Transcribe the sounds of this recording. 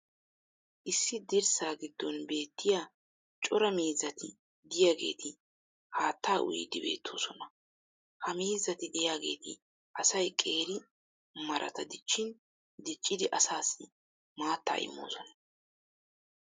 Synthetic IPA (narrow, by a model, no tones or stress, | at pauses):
ʔɪsːɪd̪ɪɾsaːɡɪd̪ːɔnbe̞ːt̪ːɪjaː | t͡ʃʼɔɾɐmiːzɐt̪ʰɪ | d̪ɪjaːɡe̞̰ːt̪ɪ | haːt̪ʰːaːʔʊ̰jɪ̰d̪ɪbe̞̰ːt̪ʰːoːsɔnɐ | hɐmiːzɐt̪ɪd̪ɪjaːɡe̞̰ːt̪ɪ | ʔɐsɐjkʼe̞ːɾɪ | mɐɾʔɐ̰t̪ɐd̪ɪt͡ʃːɪn | d̪ɪt͡ʃʼːɪd̪ɪʔɐsaːsːɪ | maːt̪ːa̰ːʔɪ̰mːo̞̰ːsɔnɐ̥